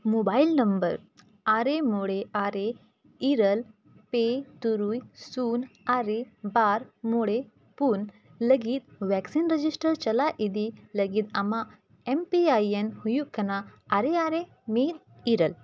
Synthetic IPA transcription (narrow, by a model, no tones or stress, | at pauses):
mobailnɐmbəɾ | aɾemoɽeʔaɾe | iɾəl | pet̪uɾujsuːnaɾebaːɾmoɽe | pun | ləɡit̪̚ʋɛksinɾəd͡ʒisʈəɾt͡ʃɐlaʔid̪iləɡid̪ama | empiajenhujukɐnaaɾeaɾe | med̪̚ | iɾəl